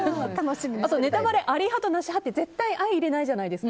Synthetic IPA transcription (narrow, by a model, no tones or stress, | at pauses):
t̪anoɕimiasone̞t̪abaɾe̞ʔaɾʲiɦat̪onaɕiɦat̪ːe̞ze̞t̪ːaiʔaiːɾe̞naiʑanaid̪e̞sɨk